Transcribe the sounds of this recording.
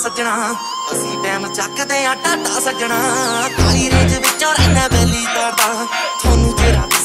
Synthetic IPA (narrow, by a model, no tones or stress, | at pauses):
sət͡ʃɳaː | əsĩːʈɛːmt͡ʃakt̪ẽːãːʈaːʈaːsət͡ʃɳaːəkːəliːɾeːd͡ʒʋɪt͡ʃːoːɾɛːnãːpeːliːt̪aːɾd̪aːt̪ʰoːnũːd͡ʒeːɾ